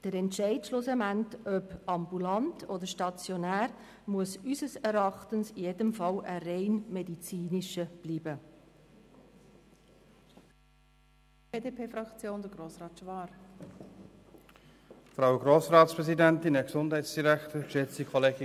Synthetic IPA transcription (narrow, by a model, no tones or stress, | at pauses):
d̥əɾɛntʃɛɪtʃlosəmæntœpɑmbulɑntʰodəɾʃtɑt͡sjonæːɾ | muəsysəsɛɾɑχtənsijedəmfɑlərɛɪnmɛdit͡siːnɪʃəb̥liːbə | beːdeːpʰeːfɾɑkt͡sjoːndəɡɾoːsɾɑːtʃʋɑːɾ | fɾaʊɡɾoːsɾɑːtspɾɛsidæntɪnɛksʊndhɛɪtsd̥iɾækt̪əʃɛt͡sikʰɔleːɡ